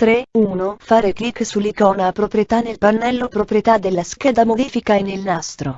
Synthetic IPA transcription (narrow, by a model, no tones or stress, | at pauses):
t̪ɾeuːnofaːɾeklikːsulːikɔːnaːpɾopɾjet̪anelpanːɛlːopɾopɾjet̪ad̪elːask̟ɛːd̪amod̪iːfikaenːelnast̪ɾo